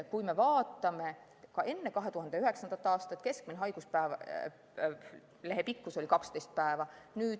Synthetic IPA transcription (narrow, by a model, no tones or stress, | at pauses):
kujme̞vɑːt̪ːˑɑme̞ | kɑʔe̞nːe̞kɑɦe̞t̪uɦɑnd̪̥e̞yɦe̞ksɑnd̪̥ɑt̪ːˑɑːst̪ɑt̪ːˑke̞sk̚mineɦɑjɡ̥uspæev | le̞ɦe̞pikːuso̞lʲikɑkst̪e̞jst̪̚pæevɑnyːd̪̥